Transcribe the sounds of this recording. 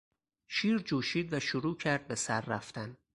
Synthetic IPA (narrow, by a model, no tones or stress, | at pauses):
ʃiːɾd͡ʒuːʃiːd̪væʃoɾuːcʰæɾd̪̚be̞sæɾːæ̰ft̪æn